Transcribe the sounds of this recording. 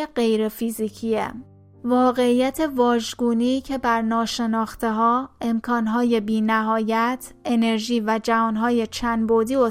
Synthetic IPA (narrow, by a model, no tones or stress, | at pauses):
eɢe̞jɾe̞fiːziːcʰiḛ | vɒːɣe̞iːjæt̪ʰe̞vɒːʒɡuːniːcʰe̞bæɾnɒːʃe̞nɒːxt̪ʰe̞ɦɒːe̞mkʰɒːnɦɒːje̞biːnæɦɒːjæt̪ʰe̞ne̞ɾʒiːvæd͡ʒævɒːnɦɒːje̞t͡ʃʰænbod̪iːo